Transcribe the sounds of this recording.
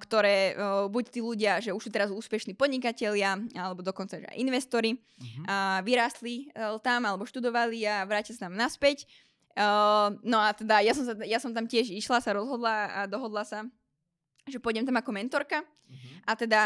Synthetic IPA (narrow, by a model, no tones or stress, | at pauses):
kt̪ɔɾɛːbuct̪iːluɟɪaʒɛuʃsuːt̪ɛɾazuːspɛʃniːpɔd̪ɲikacɛʎɪaalɛbɔd̪ɔkɔnt͡saʒɛa̰ʔinʋɛst̪ɔɾi | aʋiɾaːst̪lit̪amalɛbɔʃt̪ud̪ɔʋaliaʋɾaːcilsat̪amnaspɛc | nɔat̪ɛd̪ajasɔmsajasɔmt̪amcɪɛʒiʃlasaɾɔzɦɔd̪laːd̪ɔɦɔd̪lasa | ʒɛpɔjɟɛmt̪amakɔmɛnt̪ɔɾka | at̪ɛd̪a